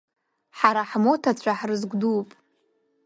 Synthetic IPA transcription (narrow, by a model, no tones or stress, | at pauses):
ħaɾaħmotʰat͡ɕʷʰaħrɨzɡʷdupʼ